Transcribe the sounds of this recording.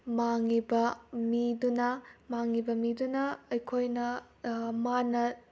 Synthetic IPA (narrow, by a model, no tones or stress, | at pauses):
maŋibɐmidunɐmaŋibɐmidunɐːjkʰojnɐ | manɐ